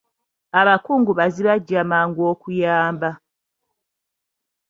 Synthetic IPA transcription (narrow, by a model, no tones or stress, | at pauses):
aβakuːŋɡuβaziβaɟamaŋɡwoːkujaːmba